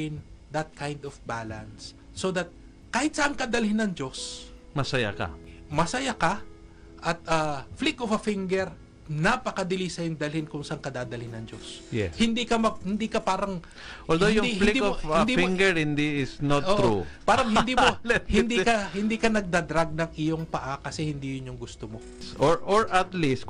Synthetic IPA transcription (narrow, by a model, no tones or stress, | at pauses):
ɪnd̪ɐt̪̚kʰajnd̪ɔfbalɐnsː | oðɐt̪̚ | kaːhɪt̪̚sɐʔɐŋkɐd̪ɐlhɪnːɐŋd͡ʒos | mɐsɐja̰kɐ̰mɐsɐjakɐ | ʔɐt̪̚ʔɐflikofɐfɪŋɡɛɹ | nɐpɐkɐd̪ɪlisɐjʊŋd̪ɐlhɪnkʊŋsɐʔɐŋkɐd̪aːd̪ɐlhɪnːɐŋd͡ʒosjɛhɪnd̪ikɐmɐhɪnd̪ikɐpaːɾɐŋ | ʔolojʊdihɪlid̪iofɪnd̪ifiŋɡɛɹhɪnd̪iɪsnot̪oːʔʔɾupaːɾɐŋhɪnd̪iːmohɪnd̪ikɐhɪnd̪iːkɐnɐɡ̚d̪ad̪ɾaɡ̚nɐŋʔɪjoŋpɐʔakɐsɛhɪnd̪ijʊnːʊŋɡʊst̪omo | sʔoɹʔoɹɐt̪list̪